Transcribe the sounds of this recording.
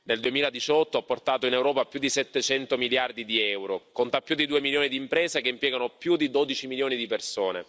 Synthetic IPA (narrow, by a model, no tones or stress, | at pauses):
neld̪uemiːlad̪it͡ʃɔt̪ːoɔpːort̪aːt̪oinewɾɔːpapjud̪ːisɛt̪ːet͡ʃɛnt̪omiljard̪id̪iɛwɾokont̪apːjud̪id̪uːemiljoːnid̪iːmpɾeːzekeimpjɛːɡanopjud̪id̪oːd̪it͡ʃimiljoːnid̪ipersoːnḛ